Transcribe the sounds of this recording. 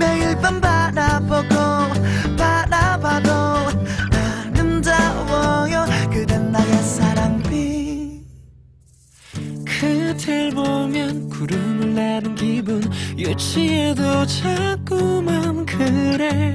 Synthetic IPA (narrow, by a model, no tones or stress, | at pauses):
meiɭpʌnbaɾaboɡopaɾabado | anɯmd͡ʑawʌjokɯdɯnːajasaɾaŋbi | kʰɯtʰeɭbomjʌnkuɾɯmmɯɭːanɯnkibunjot͡ɕʰiedot͡ɕʰak͈umankʰɯɾe